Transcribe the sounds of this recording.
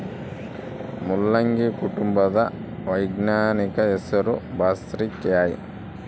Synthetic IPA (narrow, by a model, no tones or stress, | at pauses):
mulːɐŋɡikuʈumbɐd̪ɐʋɐjɡnaːnikɐesɐɾubaːsɾikːjaːjḭ